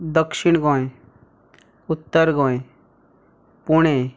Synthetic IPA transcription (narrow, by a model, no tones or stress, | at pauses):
d̪əkʃɪɽ̃ɡɔ̃ːẽ | ʊt̪ːəɾɡɔ̃ːẽ | puɽ̃e